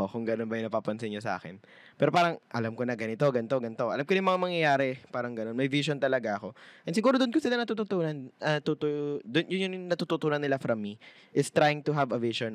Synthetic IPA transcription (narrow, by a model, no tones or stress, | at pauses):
ʔokʊŋɡɐnonbɐjʊnɐpaːpɐnsɪnɲːosɐ̰ʔa̰ːkɪ̰n | pɛːɾopaːɾɐŋʔɐlamkonɐɡɐnɪt̪o̞ɡɐnt̪o̞ɡɐnt̪o̞ʔɐ̰lamkonjʊmɐŋamɐŋjɐjaːɾɛpaːɾɐŋɡɐno̞nmɐjviʃont̪ɐlɐɡaʔɐko̞ʔɛnsɪɡuːɾod̪ʊnkosɪlanɐt̪uːt̪ut̪uːnɐnɐt̪ut̪od̪ʊnjʊnjʊŋnɐt̪uːt̪ut̪uːnɐnːɪlafɾɐmːi | ʔɪst̪ɾajɪŋt̪ʊɦavɐviʃon